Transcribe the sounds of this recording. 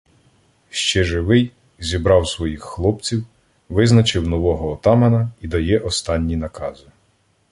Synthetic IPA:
ʃt͡ʃɛʒɪʋɪj | zʲibɾɑwsʋɔjixːlˠɔpt͡sʲiw | ʋɪznɐt͡ʃɪwnɔʋɔɦɔːt̪ɑmɐnɐid̪ɐjɛʔɔst̪ɑnʲːinɐkɑzɪ

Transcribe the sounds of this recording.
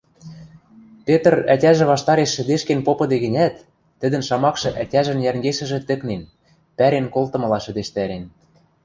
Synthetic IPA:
pet̪ɤ̆rætʲæʒɘ̆βɑʃt̪ɑɾeʃːɘ̆d̪eʃkenpopɤ̆d̪eɣɘ̆nʲæt̪ː | ɘ̆d̪ɘ̆nʃɑmɑkʃɤ̆ʔætʲæʒɘ̆njærŋɡeʃɘ̆ʒɘ̆t̪ɘ̆knen | pæɾenkolt̪ɤ̆mɤ̆lɑʃɘ̆d̪eʃt̪æɾen

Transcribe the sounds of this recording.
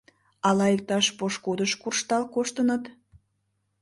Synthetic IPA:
ɑlɑek̚t̪ɑʃpoʃkud̪əʃkurʃt̪ɑlkoʃt̪ənət̪

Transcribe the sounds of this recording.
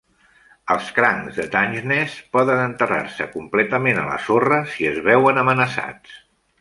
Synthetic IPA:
əlˠskɾaŋzðət̪aɲʒnɛspɔðənənt̪əra̰rsə̰kumplɛt̪əmenələ̰sorəsiəzβɛwənəmənəsa̰t͡s

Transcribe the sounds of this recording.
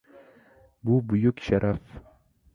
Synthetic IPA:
buːbujukʃaɾʔaf

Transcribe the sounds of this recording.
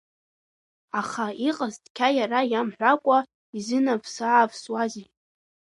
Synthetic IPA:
aχaiqʼaztʼkʲʰajaɾajamħʷᶣakʷʼa | izɨnavʰsaːvswazi

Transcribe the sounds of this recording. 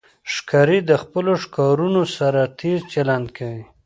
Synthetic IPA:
ʂkɑɾid̪əxpəloʂkɑɾunosaɾat̪ʰeɾt͡ʃaland̪̚kʰawi

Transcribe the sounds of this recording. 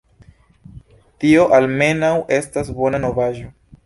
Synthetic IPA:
tio̞ʔalme̞nawʔe̞stasbo̞nano̞vaʒo̞

